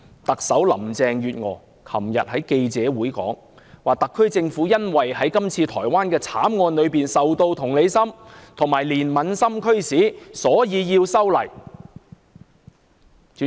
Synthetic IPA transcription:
t̪ɐ˨k̚sɐ˨˥wlɐ̰˨˩mt͡sɛː˨ŋjyː˨t̚ŋɔ̰ː˨˧˦ | kʰɐ˨˩mjɐ̰˨t̚hɐ˨˥jke˧jt͡sɛː˨˥wuː˨˥jkɔ̰ː˨˥ŋ | waː˨t̪ɐ˨kʰːɵ˥ɥt͡sɪ˧ŋfuː˨˥jɐ˥nwɐ˨jhɐ˨˥jkɐ˥mt͡sʰiː˧t̪ʰɔː˨˩jwaː˥nkɛː˧t͡sʰaː˨˥mŋɔː˧nlɵ˨˧ɥpiː˨˩nsɐ˨wt̪o˧wt̪ʰʊ˨˩ŋle˨˧jsɐ˥mt̪ʰʊ˨˩ŋmaː˨˩jliː˨˩nmɐ˨˧nsɐ˥mkʰɵ˥ɥsiː˨˥sɔː˨˥jiː˨˧jiː˧wsɐ˥wlɐ˨˩j

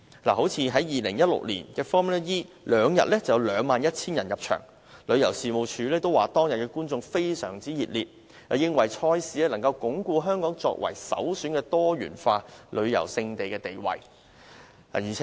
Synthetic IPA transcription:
laː˨˩ho˨˥wt͡sʰiː˧ɦɐ˨˥jːiː˨lɪ˨˩ŋjɐ˥t̚lʊ̰˨k̚lḭː˨˩nkɛː˧fɔː˥mɛ˥jiː˥ | lœː˨˧ŋjɐ̰˨t̚lɛ˥t͡sɐ˨˩jɐ˧wlœː˨˧ŋmaː˨njɐ˥t̚t͡sʰiː˥njɐ˨˩njɐ˨p̚t͡ʃʰœ̰ː˨˩ŋ | lɵ˨˧ɥjɐ˨˩wsiː˨˧mo˨˧wt͡ʃʰyː˨˧lɛː˥t̪o˥waː˨˩t̪ɔː˥ŋjɐ˨t̚kɛː˧kuː˥nt͡sʊ˧ŋfe˥jsœː˨˩ŋt͡siː˥jiː˨t̚liː˨t̚ | jɐ˨˧jɪ˥ŋwɐ˨jt͡ʃʰɔː˥jsi˨˥ɛ˥lɐ˨˩ŋkɐ˧wkʊ˨˥ŋkuː˧ɦœː˥ŋkɔː˨˥ŋt͡sɔ̰ː˧k̚wɐ̰˨˩jsɐ̰˨˥wsyː˨˥nkɛː˧t̪ɔː˥ɥy̰ː˨˩nfaː˧lʔɵ˨˧ɥjɐ̰˨˩wsɪ˧ŋt̪e˨jkɛː˧t̪e˨jwɐ̰˨˩j | a̰ː˨˩jiː˨˩ɛ˨

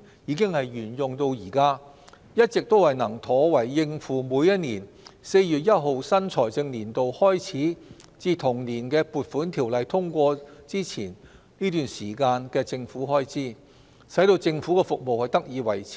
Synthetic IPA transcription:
jiː˨˧kɪ˥ŋhɐ˨jɥyː˨˩njʊ˨ŋt̪o˧wjiː˨˩kaː˥ | jɐ˥t̚t͡sɪ˨k̚t̪o˥whɐ˨jnɐ˨˩ŋt̪ʰɔː˨˥wɐ˨˩jːɪ˧ŋfuː˨muː˨˧jɐ˥t̚niː˨˩n | se˧jjy˨t̚jɐ˥t̚ɦo˨wsɐ˥nt͡sʰɔː˨˩jt͡sɪ˧ŋliː˨˩nt̪o˨whɔː˥jt͡sʰiː˨˥ | t͡siː˧t̪ʰʊ˨˩ŋniː˨˩nkɛː˧puː˨˩t̚fuː˨˥nt̪ʰiː˨˩wlɐ˨jt̪ʰʊ˥ŋkʷɔː˧t͡siː˥t͡sʰiː˨˩nniː˥t̪yː˨nsiː˨˩kaː˧nkɛː˧t͡sɪ˧ŋfuː˨˥ɦɔː˥jt͡sʰiː˥ | sɐ˨˥jt̪o˧wt͡sɪ˧ŋfu˨˥kɛː˧fʊ˨k̚mo˨whɐ˨jt̪ɐ˥k̚jiː˨˧wɐ˨˩jt͡sʰː

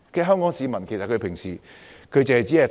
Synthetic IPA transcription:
kɛː˧ɦœː˥ŋkɔː˨˥ŋsiː˨˧mɐ˨˩nkʰe˨˩jsɐ˨t̚kʰɵ˧ɥpʰɪ˨˩ŋsiː˨˩ | kʰɵ˧ɥt͡seː˨˩hɐ˨jt͡siː˨˥hɐ˨t̪

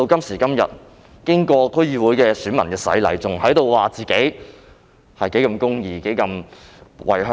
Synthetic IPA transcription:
o˧wkɐ˥msiː˨˩kɐ˥mjɐ̰˨˩t̚ | kɪ˥ŋkɔː˧kʰɵ˥ɥjiː˧wuː˨˥jkɛː˧syː˨˥nmɐ˨˩nkɛː˧sɐ̰˨˥jlɐ̰˨˥jt͡sʊ˨ŋɦɐ˨˥jt̪o˨˧wwaː˨t͡siː˨ke˨˥j | hɐ˨jke˨˥jkɐ˧mkʊ˥ŋjiː˨˧ke˨˥jkɐ˧mwɐ̰˨˩jɦœ˧˥

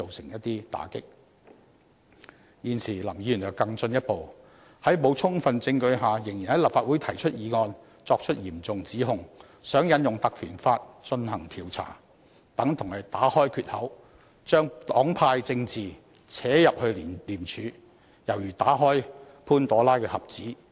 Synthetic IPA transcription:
t͡so˨wsɪ˨˩ŋjɐ˥t̚t̪iː˥t̪a̰ː˨˥kɪ˥k̚ | jiː˨˧nsiː˨˩lɐ˨˩mji˨˥jyː˨˩njɐ˨˩wkɐ˧ŋt͡sɵ˧njɐ˥t̚po˨w | hɐ˨˥jmo˨˧wt͡sʰʊ˥ŋfɐ˨nt͡sɪ˧ŋkɵ˧ɥɦaː˨jɪ˨˩ŋjiː˨˩nhɐ˨˥jlaː˨p̚faː˧t̚u˨˥jt̪ʰɐ˨˩jt͡ʃʰɵ˥t̚jiː˨˧ŋɔː˧n | t͡sɔː˧k̚t͡ʃʰɵ˥t̚jiː˨˩mt͡sʊ˨ŋt͡siː˨˥ɦʊ˨ŋ | sœː˨˥ŋjɐ˨˧˥njʊ˨ŋt̪ɐ˨kʰyː˨˩nfaː˧t̚t͡ʃɵ˧nhɐ˨˩ŋt̪ʰiː˨˩wt͡sʰa̰ː˨˩ | t̪ɐ˨˥ŋt̪ʰʊ˨˩ŋhɐ˨˩jt̪aː˨˥hɔː˥jkʰyː˨t̚hɐ˨˥w | t͡ʃœː˥ŋt̪ɔː˨˥ŋpʰaː˧jt͡sɪ˧ŋt͡siː˨˩ | t͡sʰɛː˨˥jɐ˨p̚hɵ˧ɥliː˨˩mt͡ʃʰyː˨˧ | jɐ˨˩wjyː˨˩t̪aː˨˥ɦɔː˥j | pʰuː˥nt̪ɔː˨˥laː˥jkɛː˧hɐ˨p̚t͡siː˨˥

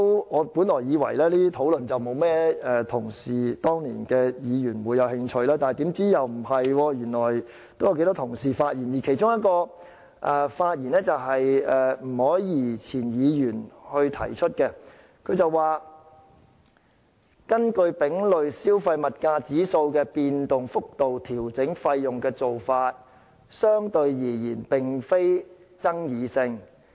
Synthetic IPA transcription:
wŋɔː˨˧puː˨˥nlɔː˨˩jiː˨˧wɐ̰˨˩jlɛː˥liː˥t̪ʰo˨˥wlɵ˨nt͡sɐ˨wmo˨˧wmɛː˥ɛ˨t̪ʰʊ˨˩ŋsiː˨˩t̪ɔː˥ŋlḭː˨˩nkɛː˧jiː˨˧jyː˨˩nwuː˨˧jːɐ˨˧whɪ˧ŋt͡ʃʰɵ˧ɥlaː˥t̪aː˨n˨jt̪iː˨˥mt͡siː˥jɐ˨wm̩˨˩hɐ˨jwɔː˧jyː˨˩nlɔː˨˩j | t̪o˥wjɐ˧ke˧˥t̪ɔː˥t̪ʰʊ˨˩ŋsiː˨˩faː˧t̚ji˨˩njiː˨˩kʰe˨˩jt͡sʊ˥ŋjɐ˥t̚kɔː˧ | ʔɛ˧faː˧t̚jiː˨˩nɛː˥t͡sɐ˨wɦɐ˨jɛ˨m̩˨˩hɔː˨˥jiː˨˩t͡sʰiː˨˩njiː˨˧jyː˨˩nhɵ˧t̪ʰɐ̰˨˩jt͡ʃʰɵ˥t̚kɛː˧ | kʰɵ˨˧ɥt͡sɐ˨wwaː˨˩ | kɐ˥nkɵ˧ɥpɪ˨˥ŋlɵ˨˧ɥsiː˥wfɐ˧jmɐ˨t̚kaː˧t͡siː˨˥so˧wkɛː˧piː˧nt̪ʊ˨ŋfʊ˥k̚t̪o˨wt̪ʰiː˨˩wt͡sɪ˨˥ŋfɐ˧jːʊ˨ŋkɛː˧t͡so˨wfaː˧t̚ | sœː˥ŋt̪ɵ˧ɥjiː˨˩jiː˨˩npɪ˨ŋfe˥j | t͡sɐ˥ŋjiː˨˧sɪ˧ŋ

